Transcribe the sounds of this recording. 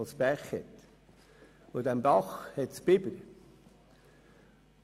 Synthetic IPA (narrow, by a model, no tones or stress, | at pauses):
lspæχhɛt̪ | odæmbɑχhɛtspɪbəɾ